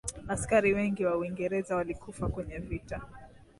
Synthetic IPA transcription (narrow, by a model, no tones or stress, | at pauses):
askaɾiwɛŋɡiwauiŋɡɛɾɛzawalikʰufakwɛɲɛvita